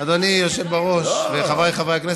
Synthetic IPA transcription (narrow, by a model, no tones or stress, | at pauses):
adanijoʃevbaʁo̞ʃveχavajχavajakne